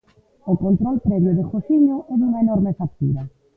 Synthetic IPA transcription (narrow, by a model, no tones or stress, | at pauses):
okont̪ɾɔlpɾɛβjoðexosiɲoʔɛðuŋaenɔɾmefak̚t̪ṵɾɐ